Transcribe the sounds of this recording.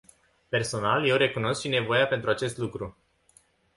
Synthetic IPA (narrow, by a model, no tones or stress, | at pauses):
pe̞rso̞nalje̞wre̞kuno̞skʃine̞vo̞jape̞nt̪ɾuat͡ʃe̞st̪lukɾu